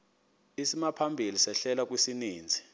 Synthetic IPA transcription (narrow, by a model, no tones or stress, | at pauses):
isimapʰambʱilisɛɬɛlak̬ʼwisiniːnd͡zʱi